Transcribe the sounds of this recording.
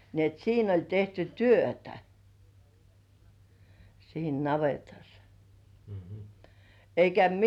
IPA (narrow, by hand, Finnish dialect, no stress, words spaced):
ni et siːn olʲ tehty tyøtæ siːn nɑʋetɑs eikæ